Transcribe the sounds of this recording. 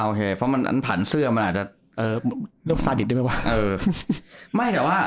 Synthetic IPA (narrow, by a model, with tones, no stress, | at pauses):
ʔoː˧kʰeː˧pʰɾɔ˦˥ma˧nʔa̰˧npʰaː˨˩˦nsɯ˥˩ɐma˧nʔaː˨˩t̪̚t͡ɕa˨˩ | ʔɤː˧˩lɯ˥˩˨saː˧di˨˩dma˦˥˩wa˧˥˩ʔɤː˧ | ma˥˩jt̪ɛː˨˩waː˥˩